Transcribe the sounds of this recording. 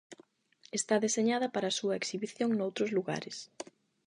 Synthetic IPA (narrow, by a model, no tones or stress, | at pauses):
est̪aðeseɲaðɐpaɾɐaːsuɐeksiβiθjoŋnowt̪ɾʊzluɣa̰ɾɪs